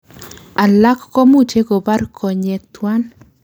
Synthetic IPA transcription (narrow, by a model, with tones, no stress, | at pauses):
a˨la˦kːɔ˦mu˦t͡ʃe˦ɡo˨ba˦rkʰɔ˨ɲe˨t̪wa˦n